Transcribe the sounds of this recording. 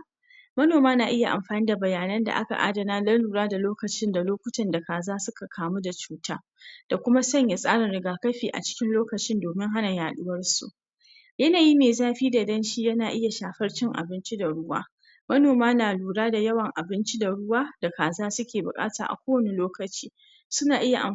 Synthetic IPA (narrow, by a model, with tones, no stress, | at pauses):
mɐ˦noː˨maː˦naː˨ʔɪ˦ja˨ʔa˨mɸaː˨niː˦da˨bɐ˨jaː˨nɐ˦nda̰˨ʔa̰˦ka̰˨ʔa̰˦dɐ˨naː˦lɐ˦nluː˨ɾaː˦da˨loː˦kɐ˨t͡ʃɪ˦nda˨loː˦kʷʊ˦tɐ˨nda˨kaː˨zaː˦sʊ˦ka˨kʰaː˨mu˦da˨t͡ʃuː˦taː˦ | d̥a˨kʷʊ˦ma˦sɐ˦ɲja˨sʼaː˦ɽɪ˨nɽɪ˨ɡaː˨kɐ˦ɸiː˨ʔa̰˨t͡ʃɪ̥˦kʲɪ˦nloː˦kɐ˨t͡ʃɪ˦ndoː˨mɪ˦ŋɦa˦na˨jaː˨ɗʊ˦wɐ˦rsṵ˨ʔ | jɐ˦naː˨ji˦meː˨zaː˦ɸiː˦da˨dɐ˦nʃi˦jɐ˦naː˨ʔɪ˦ja˨ʃaː˨ɸɐ˦rt͡ʃɪ˦ŋʔa̰˨bɪ˦nt͡ʃi˦da˨ɽʊ˦wa̰ː˦ | mɐ˦noː˨maː˦naː˨luː˨ɽaː˦da˨jɐ˦wɐ˨ŋʔa˨bɪ˦nt͡ʃi˦da˨ɽʊ˦waː˦d̥a˨kaː˨zaː˦sʊ˦kʲeː˨bʊ̰˨kʼa̰ː˦taː˨ʔa̰˨kʷoː˦wɐ˦ne˨loː˦kɐ˨t͡ʃiː˦ | sʊ˦naː˨ʔɪ˦ja˨ʔa̰˨